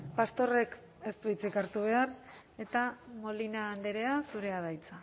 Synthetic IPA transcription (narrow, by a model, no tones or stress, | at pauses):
past̪o̞re̞k | e̞st̪uit͡sikaɾt̪uβ̞e̞ar | e̞t̪amo̞linaːnd̪eɾe̞asuɾe̞aðajt͡sa